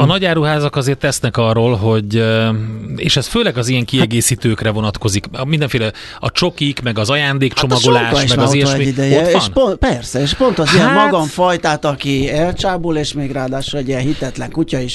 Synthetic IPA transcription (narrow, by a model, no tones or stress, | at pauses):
ɒnɒɟaːɾuɦaːzɒkɒzeːrt̪ːɛsnɛkɒrːoːlɦo̞ɟ | ḛːʃɛsføːlɛɡɒzijɛŋkiɛɡeːsiːt̪øːkrɛvo̞nɒt̪ko̞zikmind̪ɛɱfeːlɛ | ɒt͡ʃo̞kikmɛɡɒzɒjaːnd̪eːkt͡ʃo̞mɒɡolaːʃmɛɡɒijɛʃmid̪ɛjononpɛrsɛeːʃpo̞nt̪ɒziɛmmɒɡɒɱfɒjt̪aːt̪ɒkiɛlt͡ʃaːboːleːʃmeːɡraːd̪aːʃulɛɟiɛɦit̪ɛt̪lɛŋkucɒiʃ